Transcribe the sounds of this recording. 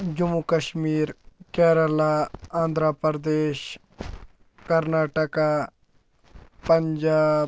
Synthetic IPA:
d͡ʒʊmukəʃmiːɾkɛːɾəlaãːnd̪ɾapəɾd̪eːʃ | kəɾnaːʈəka | pəɲd͡ʒaː

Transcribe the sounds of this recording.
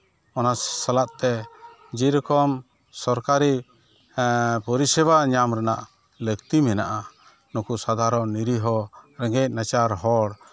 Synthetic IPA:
ɔnassalaʔt̪ɛ | d͡ʒiɾɔkɔm | sɔɾkaɾi | pɔɾisɛbaɲamɾɛna̰ʔ | ləkt̪imɛnaʔa | nɔkusad̪ʱaɾɔnːiɾiɦɔɾɛŋɡɛc̚nat͡ʃaɾɦɔɽ

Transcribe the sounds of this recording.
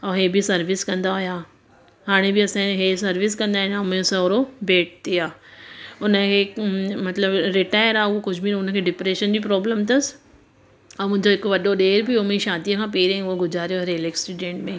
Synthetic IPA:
ɔːɦeːbisɐɾʋɪskɐ̃nd̪aɦʊjaː | ɦaːɽ̃ebɪɐsãɦesɐɾʋɪs̬kɐ̃nd̪aːɦɪ̃ɲaʊmẽsɐ̃ɾobeːʈ̚t̪ijaː | ʊnə̆kʰeːmɐt̪ləbɾɪʈaːjəɾaːʊɦokʊd͡ʑʱbinʊnə̆kʰeːɖɪpɾeːʃənd͡ʑiːpɾɔːbləmt̪̬ɐs | mʊ̃ɦɪ̃ɲd͡ʑoɦɪkʋɐɗoɗeːɾbiʊmẽʃaːd̪ijəkʰãːpeːɾẽʊɦoɡʊzaːɾijoɐɾeleksʈuːɖẽːɳʈmẽ

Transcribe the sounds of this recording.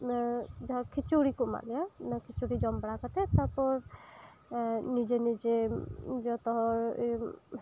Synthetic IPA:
nad͡ʒkʰit͡ʃuɽikuma̰lijanakʰit͡ʃuɾid͡ʒɔmbəɽakət̪ʰet̪apɔɾ | nid͡ʒenid͡ʒed͡ʒɔt̪ɔɦ

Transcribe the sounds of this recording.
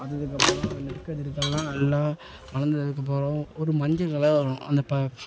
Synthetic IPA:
ɐðɐðɯkːɐpːoːɾõnɛɽɯkːɐðɪɾɯkːɐlãːɛlːãː | ʋɐnɐnd̪ɐðɐðɯk̬ːɐp̬ːoːɾõɔɾɯmɐɲd͡ʒɐkɐlɐʋɐɾɐʊ̃ʔɐ̰nd̪ɐpɐ

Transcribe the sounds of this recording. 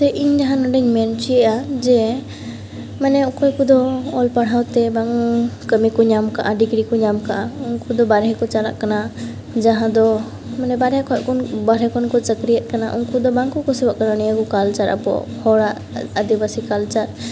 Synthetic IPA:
t̪ɛʔiɲd͡ʒaɦãnɔɖəɲmɛnt͡ʃiɛʔad͡ʒɛ | manɛɔkɔkud̪ɔɔlpaɽ̤ɦawt̪ɛbaŋkəmikɔɲamkaʔaɖiɡɾikɔɲamkaʔaunkud̪ɔbaɾɦɛkɔt͡ʃala̰ʔkana | d͡ʒaɦãd̪ɔ | manɛbaɾɦɛkɔɛʔkɔnbaɾɛkɔnkɔt͡ʃəkɾijət̪̚ˀkanaʔṵnkud̪ɔbaŋkukɔsɛbaʔkananijakɔkalt͡ʃaɾa̰pɔ̰hɔɽaʔ | əd̪ibasikalt͡ʃaɾ

